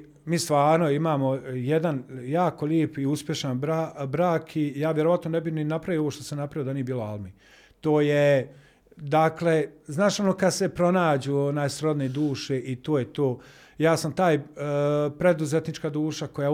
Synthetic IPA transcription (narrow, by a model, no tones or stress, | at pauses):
miːst̪ʋaːɾno̞imaːmo̞jed̪anjaːko̞lʲjeːpiuspʲje̞ʃanbɾabɾaːkʰijaːʋjeɾoʋat̪nonebininapɾaʋjiooʃt̪osenapɾavjod̪anijebiːlˠoalmi | t̪o̞ːje | d̪akleznaːʃamnokad̪sepɾo̞naːd͡ʑuːonaːjsɾo̞d̪ned̪uːʃeʔit̪oːjet̪oː | jaːsamt̪aːj | pɾed̪uzet̪nit͡ʃkad̪uːʃakoja